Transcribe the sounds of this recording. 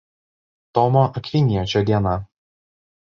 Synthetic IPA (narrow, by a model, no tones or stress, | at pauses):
t̪ɔmoʔɐkʋʲɪnʲijot͡ʃʲɛd̪ʲiɛnɐ